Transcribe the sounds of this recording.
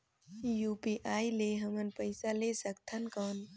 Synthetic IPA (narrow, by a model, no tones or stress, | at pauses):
jupiʔajleɦəmənpəɪsalesək̚t̪ʰənkəːn